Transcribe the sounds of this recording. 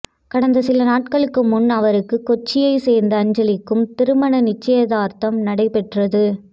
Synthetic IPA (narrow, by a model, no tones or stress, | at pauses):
kɐɽɐnd̪ɐsɪlɐnaːʈ̚kɐɭɯkːɯmːʊnɐʋɐɾɯkːɯkːɔt͡ʃːɪjɐɪseːɾnd̪ɐːɲd͡ʒɐlɪkːɯmt̪ɪɾɯmɐɳɐnɪt͡ʃːɐjɐðaːɾt̪ɐmnɐɽɐɪpɛʈrɐðɯ